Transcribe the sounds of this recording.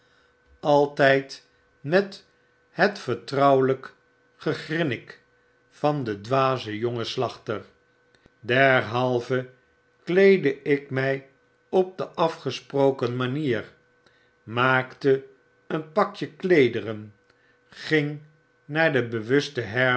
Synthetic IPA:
ɑlˠtɛjt | mɛt | hətfəɹtrɑwlək | χəχrɪnɪk | fɑndədʋaːzəjoŋəslɑχtər | dɛɹɦɑlˠvə | klejdəɪkmɛj | ɔp̚dəʔɑfχəsprowkənmaniːr | maːktə | ənpɑkjəklejdərən | χɪŋ | naːɹdəbəʋɵstəɦɛ

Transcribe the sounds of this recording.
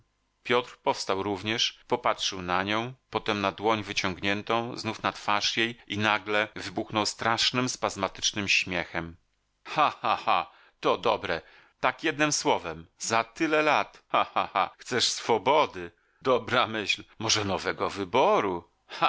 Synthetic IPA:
pʲjɔt̪ɾpɔfst̪awɾuvɲɛʂpɔpatʂɘwnaɲɔ̃w̃pɔt̪ɛmnad̪wɔɲvɘt͡ɕɔŋɡɲɛnt̪ɔ̃w̃znufnat̪faʂjejinaɡlɛvɘbuxnɔwst̪ɾaʂnɘmspazmat̪ɘ̥t͡ʂnɘmɕmʲjɛxɛm | xaxaha | t̪ɔd̪ɔbɾɛ | t̪akjɛd̪̚nɘmswɔvɛmzat̪ɘlɛlat̪xaxaxa̰xt̪sɛʂsfɔbɔd̪ɘ | d̪ɔbɾamɘɕlmɔʐɛnɔvɛɡɔvɘbɔɾu | a

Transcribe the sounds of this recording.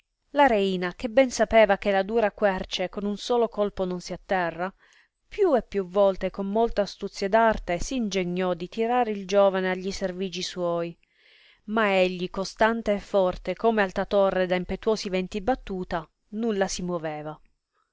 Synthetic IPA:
laɾeiːnakebːɛnsapeːvak̟elad̪uːɾakwɛrt͡ʃekonunsoːlokolpononsiat̪ːɛrːa | pjuepːjuvːɔlt̪ekomːolt̪east̪ut̪sːjad̪art̪esiːnd͡ʒeɲːɔd̪it̪iɾaːɾeild͡ʒoːvaneaʎːiserviːd͡ʒiswɔj | maeʎːikost̪ant̪eːfːɔrt̪ekoːmealt̪at̪orːed̪aimpet̪wɔːsivɛnt̪ibat̪ːuːt̪a | nulːasimwoveːva

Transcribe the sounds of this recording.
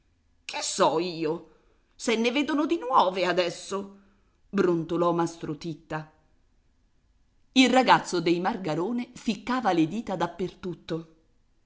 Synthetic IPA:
kʰesːɔiːo | senːeveːd̪onod̪inwɔːvead̪ɛsːo | bɾont̪olɔmast̪ɾot̪it̪ːa | ilraɡat̪sːod̪ejmarɡaɾoːnefikːaːvaled̪iːt̪ad̪apːert̪ut̪ːo

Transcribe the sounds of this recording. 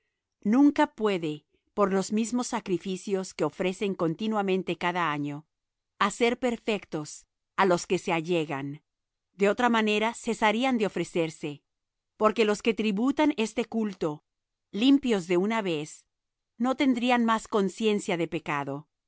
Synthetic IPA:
nũŋkapwe̞ðe̞ | po̞ɾlo̞zmizmo̞sːakɾifisjo̞ske̞o̞fɾe̞se̞ŋko̞nt̪inwamẽnt̪e̞kaðaaɲo̞ | ase̞ɾpe̞ɾfe̞kt̪o̞s | alo̞ske̞se̞aʝe̞ɣan | d̪eo̞t̪ɾamane̞ɾase̞saɾiand̪eo̞fɾe̞se̞ɾse̞ | po̞ɾke̞lo̞ske̞t̪ɾiβut̪ane̞st̪e̞kult̪o̞ | limpjo̞zðe̞unaβe̞s | no̞t̪e̞nd̪ɾianmasko̞nsje̞nsjaðe̞pe̞kaðo̞

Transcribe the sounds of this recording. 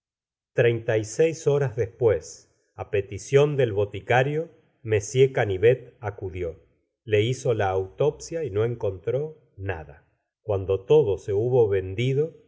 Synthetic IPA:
t̪ɾejnt̪ajsejsoɾazðespwes | apet̪isjo̞nd̪e̞lβo̞t̪ikaɾjo | me̞sjekaniβet̪akuðjo̞ | le̞iso̞laːwt̪o̞psjaino̞e̞ŋko̞nt̪ɾo̞ | na̰ða | kwand̪o̞t̪o̞ðose̞uβo̞βe̞nd̪iðo̞

